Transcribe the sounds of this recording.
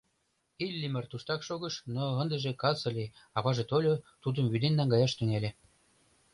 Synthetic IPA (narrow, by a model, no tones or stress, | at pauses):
ilʲːimərt̪uʃt̪ɑkʃoɣəʃnoə̆nd̪ə̆ʒĕkɑt͡sɤ̆lʲeɑβɑʒet̪olʲot̪ud̪ə̆mβyd̪enːæŋɡɑjɑʃt̪ynelʲe